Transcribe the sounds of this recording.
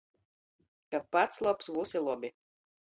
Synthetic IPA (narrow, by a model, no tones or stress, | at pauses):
kapːat̪slˠɔpsvusilˠɔbʲi